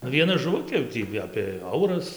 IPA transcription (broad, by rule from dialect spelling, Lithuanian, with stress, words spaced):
nʊ ʋʲiɛˈnɐ ʒʊˈʋʊkʲeː jɛʊ ˈtʲiː ɐpʲeː ˈɐʊrɐs